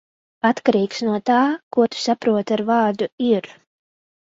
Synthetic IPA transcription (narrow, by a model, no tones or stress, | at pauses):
at̪kaɾiːksnuɔt̪aːkuɔt̪u̥sapɾuɔt̪aɾvɑːɾd̪uiɾ